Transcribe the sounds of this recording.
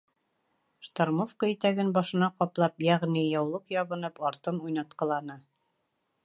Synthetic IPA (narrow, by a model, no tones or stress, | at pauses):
ʃt̪aɾmofkoit̪æɡɘnbɑʃɤ̆nɑqɒplˠɑpjæʁnijɑwlˠɤqjɑβɤ̆nɤpɑɾt̪ɤnujnɑt̪̚qɑ̆lˠɑnɤ